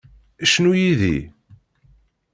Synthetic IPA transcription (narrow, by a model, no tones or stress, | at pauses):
æʃnujiðḭ